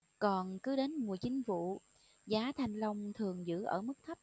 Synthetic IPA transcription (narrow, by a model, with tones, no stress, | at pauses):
kɔ˨˩nkɨ˨˦ɗe˨˦nmu˨˩əjt͡ɕï˨˦ŋ̟vṵ˧˨ | zaː˨˦t̪ʰa˨˩jŋ̟lə˧wŋ͡mt̪ʰɨ˨˩əŋzɨ̰˧˥ʔə̰ː˧˩mɨ˦˥k̚t̪ʰə˦˥p̚